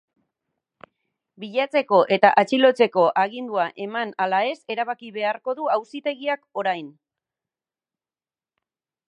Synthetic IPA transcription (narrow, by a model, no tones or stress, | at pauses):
biʎat͡se̞ko̞ʔe̞t̪aʔat͡ʃilo̞t͡se̞ko̞ʔaɣ̞ind̪uaʔe̞manalae̞se̞ɾaβakiβe̞aɾko̞ðuawsit̪e̞ɣiako̞ɾajn